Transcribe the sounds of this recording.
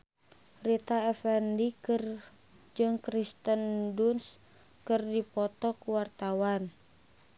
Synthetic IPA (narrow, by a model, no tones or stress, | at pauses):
rit̪aɛfɛndikɨr | d͡ʒɨŋkɾist̪ənduns | kɨrdipɔt̪ɔkuwart̪awan